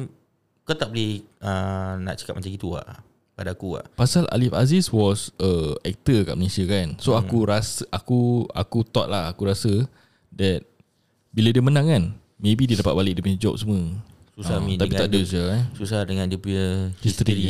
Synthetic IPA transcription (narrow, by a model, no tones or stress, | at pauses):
kot̪aʔ̚bəlɛh | əna̰ʔt͡ʃə̥kap̚mat͡ʃãŋɡit̪ua̰ʔ | padakua̰pasalʔa̰lifa̰ziswɔsəɛk̚t̪əka̰ʔməlesiakansoakuɾasəʔakua̰kut̪ɔʔ̚lahakuɾasə | dɛt̪̚ | biladiəmənãŋkan | mẽbididapat̪̚balɪk̚dəmid͡ʒɔp̚səmə | suamit̪appit̪aʔdəsəsusahdəŋandiəpujəhist̪ɾii